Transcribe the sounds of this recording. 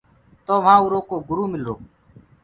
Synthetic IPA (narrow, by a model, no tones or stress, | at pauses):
t̪oːʋ̤ãːuːɾoːkoːɡʊɾuːmɪlo̰ː